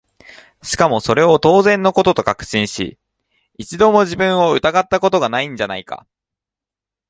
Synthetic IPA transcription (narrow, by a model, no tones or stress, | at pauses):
ɕi̥kamo̞so̞ɾe̞o̞t̪o̞ːzẽ̞nːo̞ko̞t̪o̞t̪o̞kakɯ̟̥ɕĩɰ̃ɕḭ | it͡ɕid̪o̞mo̞ʑibɯ̟̃ɰ̃o̞ɯ̟t̪aɡat̪ːako̞t̪o̞ɡanaĩɲ̟d͡ʑanaika̰